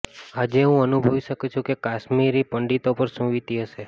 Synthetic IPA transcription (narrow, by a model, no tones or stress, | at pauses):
ɦəd͡ʒeɦũənubʱəʋiʃəkut͡ʃʰũkekaʃmiɾipəɳɖit̪opəɾsũʋit̪iɦəʃe